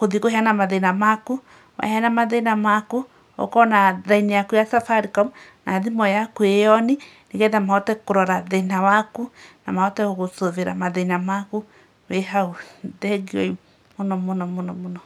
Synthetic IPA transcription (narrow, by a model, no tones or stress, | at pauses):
koðikoheanamaðenamaku | wa̰heanamaðenamaku | o̰kɔnaɾainejakujasafaɾikɔm | naðimɔjakuejɔni | neɣɛðamaɔtɛkoɾɔɾaðenawakunamaɔtɛoɣosoveɾa̰maðenamaku | weɦauðɛɡiɔi | monɔmonɔmonɔmonɔ